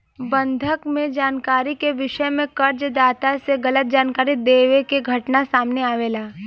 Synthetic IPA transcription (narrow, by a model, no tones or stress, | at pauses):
bɐ̃nd̪ʱəkmẽd͡ʒaːnkaːɾikeʋɪʃəmẽkɐɾd͡ʒd̪aːt̪aseɣɐlət̪̚d͡ʒaːnkaːɾid̪eːʋekeɡʱɐʈnasaːmneaːʋeːlaː